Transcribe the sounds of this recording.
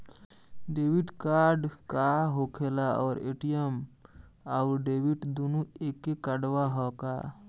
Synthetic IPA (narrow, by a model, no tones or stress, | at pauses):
ɖeːwiʈkaːɾɖkaɦokʰelaɔːɾḛːʈijəm | aʊɾɖeːwiʈd̪onueːkːekəɖwaɦɔːka